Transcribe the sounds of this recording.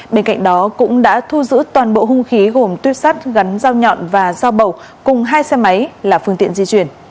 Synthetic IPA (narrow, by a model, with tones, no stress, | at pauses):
ɓe˧nka̰˧˨jŋ̟̚ɗɔ˨˦kʊ̰˧˥ŋ͡mɗa̰ː˧˥t̪ʰu˧zɨ̰˧˥t̪waː˨˩nɓo̰˧˨ɦʊ˧ŋ͡mxi˨˦ɣo˨˩mt̪wi˦˥əp̚sa˦˥t̚ɣa˨˦nzaː˧wɲɔ̰˧˨nvaː˨˩zaː˧wɓə˨˩w | kʊ˨˩ŋ͡mɦaː˧jsɛ˧ma˨˦jlaː˨˩fɨ˧əŋt̪ḭ˧˨ənzi˧t͡ɕwi˧˩ən